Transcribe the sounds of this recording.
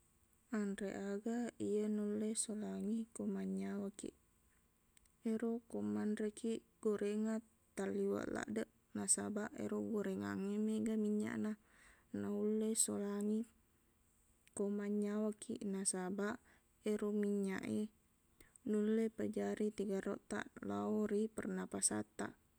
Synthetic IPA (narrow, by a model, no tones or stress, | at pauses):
anrḛʔaɡaijənulesolaŋikomaɲawakḭʔ | eɾokomanrekiʔ | ɡ̥oɾeŋa | t̪aliwa̰ʔla̰ʔdəʔ | nasa̰baʔḛɾoɡoɾeŋa̰ŋemeɡamiɲa̰ʔna | naulːeso̰laŋi | komaɲawakʰḭʔnasabaʔ | eɾomiɲa̰ʔe | nulepəd͡ʒaɾit̪iɡaɾoʔt̪a̰ʔlaoɾipərnapasa̰t̪a̰ʔ